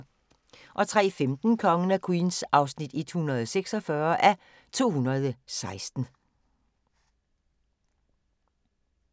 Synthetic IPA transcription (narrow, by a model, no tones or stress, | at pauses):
ʔɒ̽t͡sʰʁɛ̰ːfemd̥n̩kʰɒ̽ŋən̩ækʰuiːnsɑ̈ʊsnid̥id̥hunɐð̞ˠɒseɡ̥sɒfɶɐʔæ | t͡sʰo̝̰ːhunɐð̞ˠsɑ̈ɪsd̥n̩